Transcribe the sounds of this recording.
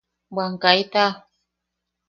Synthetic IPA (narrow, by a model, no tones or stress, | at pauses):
baŋkajta